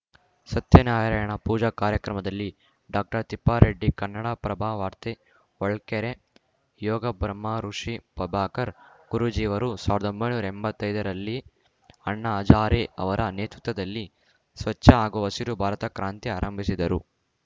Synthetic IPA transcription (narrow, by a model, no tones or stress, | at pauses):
sɐt̪jɐnaːjɐɾɐjɐɳɐpuːd͡ʒɐkaːɾjɐkɾɐmɐd̪ɐlːi | ɖaːk̚ʈɐɾt̪ipːaːɾeɖːikɐnːɐɽaːpɾɐbʱaːʋaːɾt̪e | ɔɭkeɾe | jɔːɡɐbɾɐmːaːɾuʂipɐbʱaːkɐɾɡ̥uɾud͡ʒiːʋɐɾusaːʋiɾɐd̪ombɐjnuːɾɐembɐt̪ːɐjd̪ɐɾɐlːi | ɐɳːɐːd͡ʒaːɾeɐ̰ʋɐɾʔɐneːt̪ɾut̪ʋɐd̪ɐlːi | sʋɐt͡ʃːɐaːɡuʋɐsiɾubʱaːɾɐt̪ɐkɾaːnt̪iaːɾɐmbʱisid̪ɐɾṵ